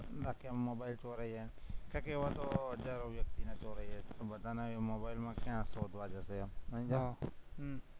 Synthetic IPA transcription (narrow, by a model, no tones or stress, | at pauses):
ɾaːkʰammoːbaːɪlt͡ʃoːɾəiːɦe | kãkeːʋaːt̪oːɦəd͡ʒaːɾoʋjək̚t̪iːnaːt͡ʃoːɾəiːɦeːt̪obət̪aːnamoːbaːɪlmãːkjãːsoːd̪ʱʋaːd͡ʒaseaə̃d͡ʒa